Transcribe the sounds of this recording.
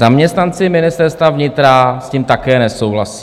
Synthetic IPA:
amɲɛst̪nant͡sɪmɪnɪst̪ɛɾst̪vavɲɪt̪ɾasciːmt̪akɛːnɛsowɦlasi̥ː

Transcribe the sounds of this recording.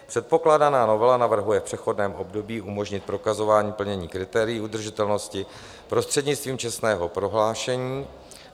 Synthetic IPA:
pr̥ɛt̪̚po̞klaːdanaːno̞vɛlanavr̩ɦujɛfpr̥ɛxo̞dnɛːmʔo̞bdo̞biːʔumo̞ʒɲɪt̪̚pɾo̞kazo̞vaːɲiːpl̩ɲɛɲiːkɾɪt̪ɛːɾɪjːʔud̪r̩ʒɪt̪ɛlno̞scɪ | pɾo̞st̪r̥ɛdɲɪt͡st̪viːmt͡ʃɛst̪nɛːɦo̞pɾo̞ɦlaːʃɛɲiː

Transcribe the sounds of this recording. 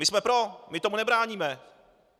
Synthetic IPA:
mɪsmɛpɾomɪt̪omunɛbɾaːɲiːmɛ

